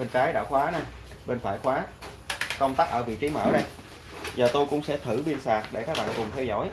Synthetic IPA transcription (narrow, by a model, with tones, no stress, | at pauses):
e˧nt͡ɕaː˨˦jɗa̰ː˧˩wxwaː˨˦na˨˩j | ɓe˧nfa̰ː˧˨jxwaː˨˦ | kə˧wŋ͡mt̪aː˦˥k̚ʔəː˧˩vḭ˧˨t͡ɕi˨˦mə̰˧˩ɗa˧˩ | zəː˨˩t̪o˧jkʊ̰˧˥ŋ͡msɛ̰˧˥t̪ʰɨ˧˩ɓi˧ənsaː˨˩k̚ɗe˧˩kaː˦˥k̚ɓa̰ː˧˨nkʊ˨˩ŋ͡mt̪ʰɛ˧wzɔ̰˧˩j